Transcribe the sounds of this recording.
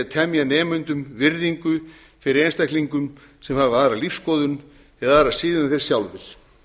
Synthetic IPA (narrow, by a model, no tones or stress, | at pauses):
ɛt̪ʰɛmjanɛːmʏnt̪ʏmvɪɾðiŋkʏ | fɪɾɪɾenst̪ajkliŋkʏm | sɛmhaːvɪaːɾalifskɔːðʏn | ɛðaaːɾaðsiːðɪnaθeɾ̥sjawlvɪɾ̥